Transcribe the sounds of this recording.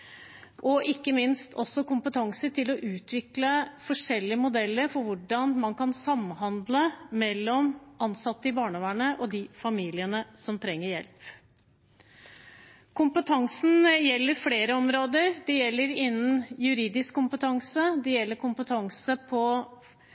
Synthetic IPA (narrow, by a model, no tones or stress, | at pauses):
ʔɔʔɪkːəmɪnst̪ʰɔsːɔkʊmpət̪ʰɑŋsəʈɪlɔʔʉːt̪ʰʋɪkləfɔʂɛlːɪəmʊd̪ɛlːəɾfɔɾʋʊɖɑnmɑnkɑnsɑmɦɑnd̪ləmɛlːɔmʔɑnsɑt̪ːəɪbɑːɳəʋæɳəʔɔd̪ɪfɑmiːlɪənəsɔmt̪ʰɾɛŋːəɾjɛ̰lp | kʰʊmpət̪ʰɑŋsn̩jɛlːəɾfleːɾəɔmɾoːd̪əɾd̪ɛjɛlːəɾɪnːənjʉɾiːd̪ɪskkːʊmpət̪ʰɑŋsəd̪ɛjɛlːəɾkʊmpət̪ʰɑŋsəpʰɔ